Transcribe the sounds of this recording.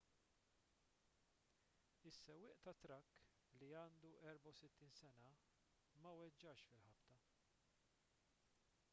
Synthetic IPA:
ɪsːɛwːɪːʔt̪ɐt̪ɾɐkː | liɐːnd̪uʔɛɾbɐwsɪt̪ːiːnsɛnɐ | mɐwɛd͡ʒːɐʃfɪlħɐpt̪ɐ

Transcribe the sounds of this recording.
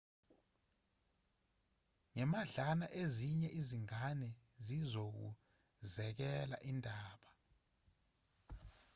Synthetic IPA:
ŋɛmaɮanaʔeziɲɛʔiziŋanɛ | zizok̬ṵ | zɛk̬ɛla̰ʔindʱaːɓa

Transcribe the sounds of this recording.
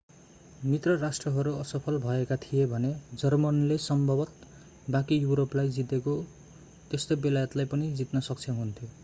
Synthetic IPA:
mit̪rʌrasʈrʌɦʌɾuʌsʌpʰʌlbʱʌekat̪ʰijebʱʌned͡zʌrmʌnlesʌmbʱʌbʌt̪̚ | bãkijuɾoplajd͡zit̪eko | t̪est̪obelajʌt̪lajpʌnid͡zit̪nʌsʌk̚t͡sʰʌɦunt̪ʰjo

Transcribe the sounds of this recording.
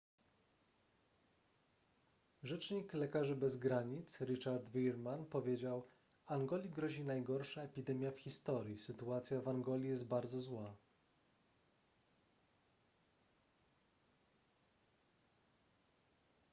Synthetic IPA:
ʐɛt͡ʂɲiklɛkaʐɘbɛzɡɾaɲit̪sɾɘt͡ʂaɾd̪vʲiɾmanpɔvʲjed͡ʑaw | aŋɡɔlʲiɡɾɔʑinajɡɔɾʂaɛpʲid̪ɛmʲjafxʲist̪ɔɾʲjisɘt̪uat̪sʲjavaŋɡɔlʲijɛst̪̚baɾd̪zɔzwa

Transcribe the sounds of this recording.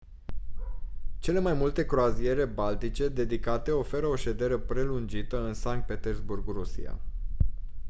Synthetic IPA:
t͡ʃe̞le̞majmult̪e̞kɾoazije̞ɾe̞balt̪it͡ʃe̞d̪e̞d̪ikat̪e̞o̞fe̞ɾəo̞ʃe̞d̪e̞ɾe̞pɾe̞lund͡ʒit̪əɨnsaŋk̚t̪̚pe̞t̪e̞rzburɡrusḭa̰

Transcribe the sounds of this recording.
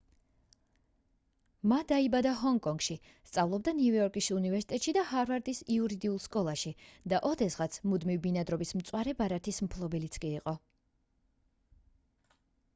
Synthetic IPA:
mad̪aibad̪aɦɔŋkʼɔŋɡ̥ʃi | st̪sʼavlˠɔb̚d̪aniujɔɾkʼisunivɛɾsit̪ʼɛt̪ʼʃid̪ahaɾvaɾd̪isiuɾid̪iulˠskʼɔlˠaʃid̪aʔɔd̪ɛsʁat̪sʰmud̪mivbinad̪ɾɔbismt̪sʼwaɾɛbaɾat̪ʰismpʰlˠɔbɛlit̪sʰkʼiːqʼɔ

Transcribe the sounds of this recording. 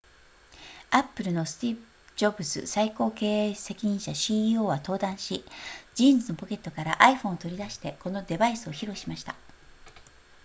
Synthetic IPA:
apːɯ̟ɾɯ̟no̞sɨ̥t̪ʲip | ɯ̥d͡ʑo̞bɯ̟sɨ̰saiko̞ːke̞ːese̞kʲiɲ̟ĩɰ̃ɕaɕioːβat̪o̞ːd̪ãɰ̃ɕid͡ʑĩːnzɨno̞po̞ke̞t̪ːo̞kaɾa̰ʔaiɸõ̞ɰ̃ot̪o̞ɾʲid̪aɕi̥t̪e̞ko̞no̞d̪e̞baisɨo̞çiɾo̞ɕimaɕi̥t̪a

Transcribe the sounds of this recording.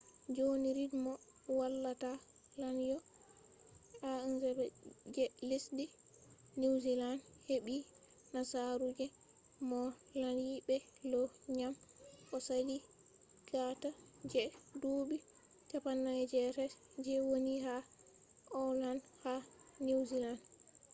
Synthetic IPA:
d͡ʒoniɾidmɔwalːatalanjɔ | aɛnzɛbɛd͡ʒɛlisdi | niwzilanheɓi | nasaɾud͡ʒɛ | mɔlanjibɛlɔɲamkɔsali | ɡ̥atad͡ʒɛdubi | tapanːad͡ʒɛɾɛd͡ʒɛwoniɦa | ʔɔlanhanewzilan

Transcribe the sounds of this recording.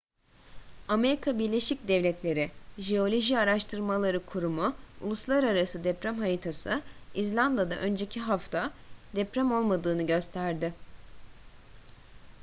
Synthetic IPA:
ame̞ɾikʰabiɾlʲe̞ʃic̚d̪ɛvlʲɛt̪ʰlʲe̞ɾɪʒeo̞lʲo̞ʒiaɾaʃt̪ʰɯɾmalˠaɾɯkʰuɾumuṵlˠuslˠaɾaɾasɯd̪ɛpɾæmɦaɾit̪ʰasɯizlʲand̪ˠad̪a̰ʔø̞nd͡ʒe̞cʰiɦaft̪ʰad̪ɛpɾæmo̞lˠmad̪ɯːnɯɟø̞st̪ʰæɾd̪ɪ

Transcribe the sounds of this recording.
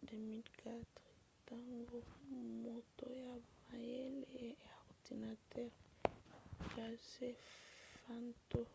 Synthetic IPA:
demilkatɾi | taŋɡɔmɔtɔjamajɛlɛɛawtinatɛɾ | kasɛfantɔ

